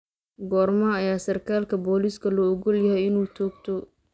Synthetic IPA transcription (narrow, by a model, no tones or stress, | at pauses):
ɡɔːrmɐɐjaːsɐrkʰaːlkʰɐbɔːliːskʰɐlɔɔɡɔljɐɦɛjɪnuːt͡ʃʰɔːɡt̪ʰɔ